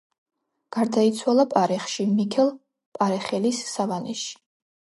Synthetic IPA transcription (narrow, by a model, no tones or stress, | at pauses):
ɡ̥aɾd̪ait̪sʰwalˠapʼaɾɛχʃimikʰɛlˠ | pʼaɾɛχɛlisːavanɛʃi̥